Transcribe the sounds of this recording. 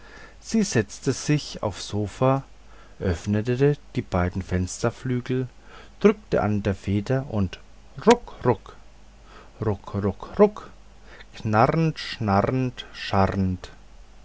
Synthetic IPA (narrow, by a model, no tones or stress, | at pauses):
z̥iːzɛt͡stəz̥ɪça̰ʊfz̥oːfa | ʔœfnətəəd̥iːb̥aɪdn̩fɛnstɐflyːɡl̩ | d̥ʁʏktə̰ʔa̰ndeːɐfeːdɐʔʊnt | ʁʊkʁʊk | ʁʊkʁʊkʁʊk | knaʁntʃnaʁntʃaʁnt